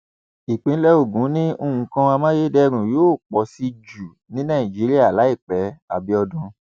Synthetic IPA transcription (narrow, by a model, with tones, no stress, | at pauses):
i˨k͡pĩ˨˦lɛ˦o˦˨ɡũ˨˦nĩ˦o˧ũ˨˦kã˧a˧mã˦je˦dɛ˦˧ɾ̃ũ˨joː˦˨k͡pɔ˨si˧d͡ʒu˨ | nĩ˨˦nã˦˨ĩ˨d͡ʒi˨˦ɾi˦a˦˨la˨˦i˦˨k͡pɛ˨˦a˨bi˨˧˦ɔ˧dũ˧